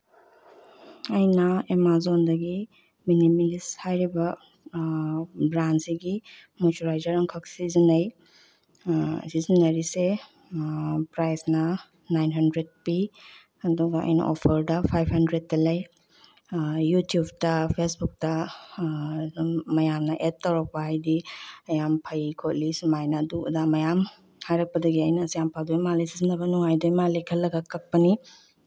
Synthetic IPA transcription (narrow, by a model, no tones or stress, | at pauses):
ɐjnɐemazondɐɡi | minimilishajɾibɐ | bɾansiɡi | mutuɾajzɐɾɐŋkʰɐk̚sizinɐj | sizinɐɾise | pɾajsnɐ | najnɦɐndɾed̚pi | ɐduɡɐɐ̰jnɐ̰ʔopʰɐɾdɐpʰajphɐndɾed̚tːɐlɐj | jutjubtɐpʰesbuk̚tɐ | mɐjamnɐʔet̚tːɐwɾak̚paɦajdiɐjampʰɐjkʰotlisumajnɐduɐ̰damɐjam | hajɾɐk̚pɐdɐɡiajnɐsijampʰadojmalejsizinɐbɐnuŋajdojmalikʰɐlːɐɡakɐk̚pɐni